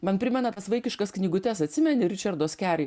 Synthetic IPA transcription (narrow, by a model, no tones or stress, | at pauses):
mɐnpʲɾʲɪmʲɛnɐt̪ɐsʋɐɪkʲɪʃkɐsknʲiːɡʊt̪ʲɛsɐt̪ʲsʲɪmʲɛnʲɪɾʲɪt͡ʃʲɛɾd̪oːskʲæːɾʲɛɪ